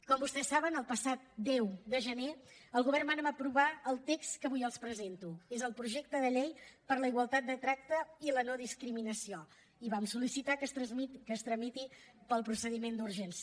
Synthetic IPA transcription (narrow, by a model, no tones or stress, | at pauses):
kɔmbust̪ɛsːaβənəlˠpəsat̪̚d̪ɛwd̪əʒəneəlˠɣuβɛrnmanəməpɾuβaəlˠt̪ekskəβujəlˠspɾəzent̪uezəlˠpɾuʒɛk̚t̪əðəʎɛjpəɾləiɣwəlˠt̪at̪̚d̪ət̪ɾak̚t̪əilənoðiskɾiminəsio | iβamsulisit̪akəst̪ɾəzmikəst̪ɾəmit̪ipəlˠpɾusəðimend̪uɾʒɛns